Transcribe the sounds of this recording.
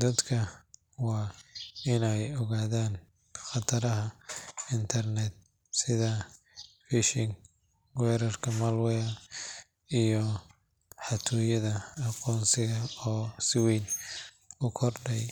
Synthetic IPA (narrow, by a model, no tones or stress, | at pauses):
d̪ɐd̪kʰɐ | wɑːɪnɛjɔɣaːðaːn | χɑt̪ʰɐɾɐɦɐɪnt̪ʰɐrnɛd̪̚ | sɪðɐ | fɪʃɪŋ | wɛːɾɐrkʰɐmɐlwɛɐ | ijɔ | ħɑt̪ʰɔːjɐðɐːqɔːnsɪɣɐɔːsɪwɛjn | ʊkʰɔrɖɛj